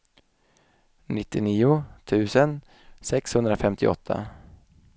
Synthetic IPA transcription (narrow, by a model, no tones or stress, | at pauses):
nɪt̪ːɪniːʊt̪ʰʉ̟ːsən | sɛkshɵnd̪ɾafɛmt̪ʰɪʔɔ̰t̪ʰːa̰